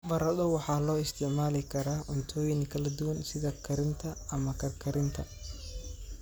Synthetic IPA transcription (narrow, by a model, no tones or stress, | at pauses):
bɐɾɐðɔwɑħɑːlɔːɪst̪ʰɪʕmaːlɪkʰɐɾaːʔɔnt̪ʰɔːjɪnkʰɐlɐd̪ʊwɐnsɪðɐkʰɐɾɪnt̪ʰɐɐmɐkʰɐrkʰɐɾɪnt̪ʰɐ